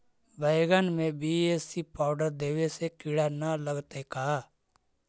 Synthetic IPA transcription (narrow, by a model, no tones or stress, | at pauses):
bəɪɡənmẽbiːesipaːʊɖəɾd̪eːwesekɪɽanaləɡt̪eka